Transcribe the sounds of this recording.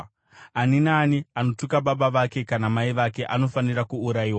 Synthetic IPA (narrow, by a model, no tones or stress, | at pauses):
aninaːniano̞tukaɓaɓaʋake̞kanamaiʋake̞ʔano̞fanirakuːɾaiːwa